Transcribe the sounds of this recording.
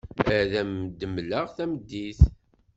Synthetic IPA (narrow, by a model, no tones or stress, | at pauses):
æðæmd̪ːəmləʁθæməd̪ːiθ